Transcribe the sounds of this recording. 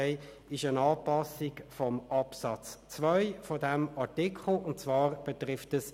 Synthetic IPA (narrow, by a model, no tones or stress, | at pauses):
ɛɪ | ɪʃənɑːpɑsikfɔmɑpsɑt͡st͡svœʏfɔdæmɑʁtikʰχl̩ʊnt̚t͡sʋɑːʁb̥ɛtʁɪftəs